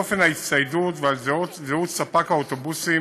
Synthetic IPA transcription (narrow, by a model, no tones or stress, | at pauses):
ofenait̪sajdut̪valzutzeut̪sapakaot̪obusi